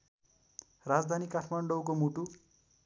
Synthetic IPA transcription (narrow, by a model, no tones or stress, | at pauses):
rad͡zd̪ʱanikaʈʰmaɳɖowk̬omuʈu